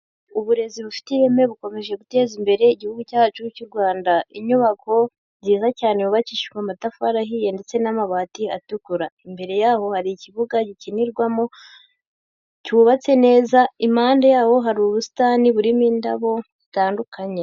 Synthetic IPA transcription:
uβuɾe̞ziβufi̥tiβemeβuko̞me̞ʒe̞ɡute̞ːzimbe̞ɾe̞iɟihuɡucat͡ʃuucuɾɡwaːndaʔiɲuβako̞ | ziːzacaːne̞βuβaciʃi̥ɡwamatafuaɾaɦije̞nde̞t͡se̞namaβaːtiatukuɾaimbe̞ɾe̞jaːho̞haɾiciβuɡaɟiciniɾɡwamo̞ | cuːβat͡se̞ne̞ːzaimaːndejaːho̞ɦaɾiuβusi̥taːniβuɾimiːndaβo̞zitaːndukʰaɲe

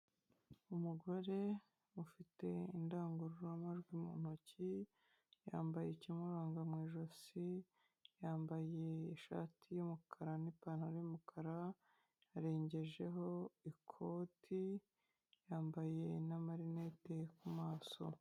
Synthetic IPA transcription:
umuɡo̞ɾe̞ | ufite̞indaːŋɡuɾuɾoamaʒɡwimṵːn̥uci | ja̰ːmbaje̞cimuɾaːŋɡamŋiːʒosi | jaːmbaje̞ːʃa̰ːtʰijumukʰaɾanipanhaɾojumukʰaɾa | aɾe̞ːɲɟe̞ʒe̞ɦo̞ikʰo̞ːtʰi | jaːmbaje̞namaɾine̞te̞kumaːso̞̰

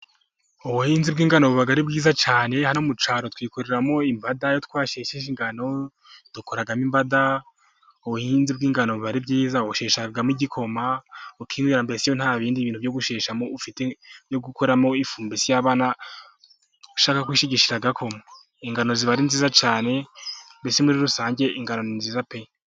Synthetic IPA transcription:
oβuhiːnzibɡiːŋɡano̞βuβaɡaɾibɡiːzat͡ʃaːne̞hanomut͡ʃaːɾo̞twiːkoɾe̞ɾamo̞imbadajotkwaːʃeːʃeiŋɡano̞ | d̥ukoɾaɡamimbada | oβuhinzib̚ɡiːŋɡano̞βuβaɾibɟiːzaouʃeːʃaɡamiɟikʰo̞maukʰiːŋwiːɾambe̞sejon̥haːβiːndiβiːntuvjo̞ɡuʃeːʃamoufitejoɡukoɾamo̞ifuːmbisijaβaːna | uʃaːkakwiːʃiɟiʃiɾaɡakʰo̞ma | iŋɡano̞ziβaɾinziːzat͡ʃaːne̞mbesemuɾiɾusaːɲɟe̞ʔiŋɡano̞ninziːzape̞j

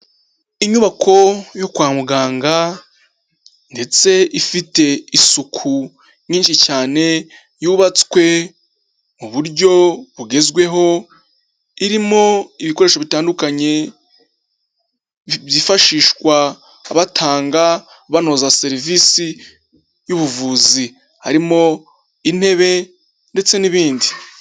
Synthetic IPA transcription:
iɲuβakʰo̞jo̞kwaːmuɡaːŋɡa | nde̞t͡se̞ʔifite̞isukʰu | ɲiːnʃit͡ʃaːne̞ | juːβat͡swe̞ | muβuɾɟo̞βuɡe̞zɡwe̞ɦo̞ | iɾimo̞iβiko̞ɾeːʃoβitaːndukaɲe̞ | zifaʃiːʃkwaː | βatʰaːŋɡa | βano̞zase̞ɾivisi | juβuvuːzi | ha̰ɾimo̞ | in̥he̞βe̞ | nde̞t͡se̞niβiːndi

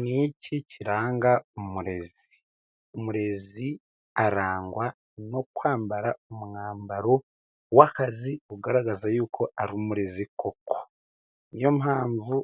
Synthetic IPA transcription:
niciciɾaːŋɡaumuɾe̞z | i | umuɾe̞zi | aɾaːŋɡwa | no̞kwaːmbaɾaumuŋaːmbaɾo̞ | wakaziuɡaɾaɡazajuːkʰo̞aɾumuɾe̞ziko̞ko̥ | nijo̞mɦaːɱvu

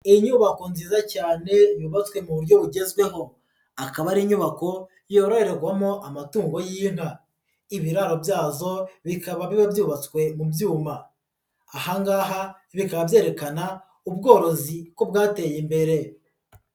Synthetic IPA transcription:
iiɲuːβako̞nziːzacaːne̞juːβat͡skwe̞muβuɾjo̞βuɟe̞zɡwe̞ɦo̞ | akaβaɾiːɲuβako̞ | joɾoheɾeɡɡwamoʔamatuːŋɡo̞jim̥ha | iβiɾaɾo̞bjaːzo̞βikaβaβiβabjuːβat͡skwe̞mubjuːmaː | haŋɡaːɦa | βikaβabje̞ːɾe̞kana | ubɡo̞ːɾo̞zikobɡaːte̞jimbe̞ɾe̞

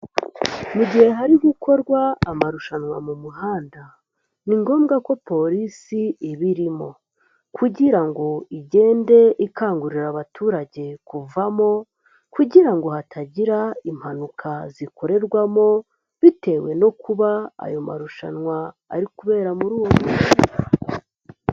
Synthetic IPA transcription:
muɟihe̞ɦaɾiɡuko̞ɾɡwaːmaɾuʃanwa̰mumuɦaːnda | niŋɡo̞ːmɡako̞po̞ɾisiiβiɾimo̞ | kuɟiɾaŋɡo̞iɟe̞ːnde̞ʔikaːŋɡuɾiɾaβatʰuːɾaɟe̞kuvamo̞ | kuɟiɾaŋɡo̞hatʰaɟiɾaim̥hanukʰaziko̞ɾe̞ɾɡwamo̞ | βite̞ːwe̞no̞kuβaa̰jo̞ma̰ɾuʃa̰nŋwa̰ː | ɾikuβe̞ːɾamuɾuːwomuia

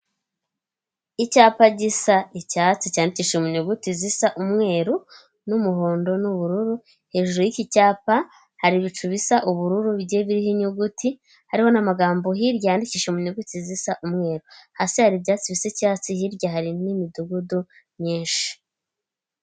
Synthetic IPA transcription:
icaːpaɟisaicaːt͡sicaːndiciʃemuɲuɡutizisaʔumŋe̞ːɾu | numuɦoːndo̞nuβuɾuɾu | he̞ːʒuɾejicicaːpa | haɾiβit͡ʃuβisaʔuβuɾuɾuβɟeβiɾihiɲuɡuti | haɾiho̞namaɡaːmbo̞ɦiɾɟaaːndiciːʃemuɲuɡutizisaʔumŋe̞ːɾuhasihaɾibɟaːt͡siβisecaːt͡sihiɾɟaɦaɾinimiduɡudu | ɲɲiːnʃi̥

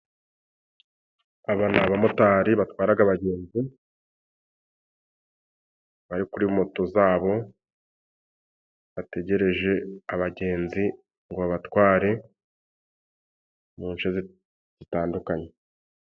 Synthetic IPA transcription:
aβanaβamotaːɾiβatwaːɾaɡaβaɟe̞ːnzi | βaɾikuɾiumoto̞zaːβo̞ | βate̞ɟe̞ɾe̞ʒe̞aβaɟe̞ːnzi | ŋɡoaβatwaːɾe̞ | muːnʃez | z̥itaːndukaɲe̞

